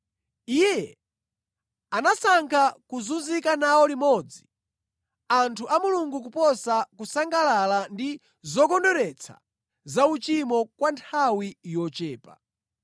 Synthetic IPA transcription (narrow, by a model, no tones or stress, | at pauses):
ijɛ | anasaŋkʰakuzunzikanawɔlimɔd͡zi | antʰuʔamuluŋɡuk̬upɔsakusaŋɡalalandi | zɔkɔndɔɾɛt͡sʰa̰ | zaut͡ʃimɔkwantʰawijɔt͡ʃɛːpa